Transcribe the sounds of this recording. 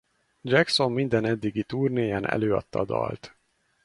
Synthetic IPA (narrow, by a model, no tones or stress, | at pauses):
d͡ʒɛkso̞mːind̪ɛnɛd̪ːiɡit̪uːrneːjɛnʔɛ̰løːɒ̰t̪ːɒd̪ɒ̰lt̪